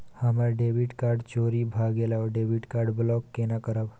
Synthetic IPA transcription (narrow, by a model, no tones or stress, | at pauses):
hamaɾɖeʋiʈkaɾɖt͡ɕoɾibʱaɡelaɖeʋiʈkaɾɖblɔkːenakəɾab